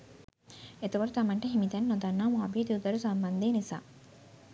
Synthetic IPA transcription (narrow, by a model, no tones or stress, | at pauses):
et̪ɐʋɐɾut̪ɐmɐɳʈɐɦimit̪ɐninɔd̪ɐnːaːmuabiːd̪ud̪ɐɾusɐmbɐnd̪eːnisa̰ː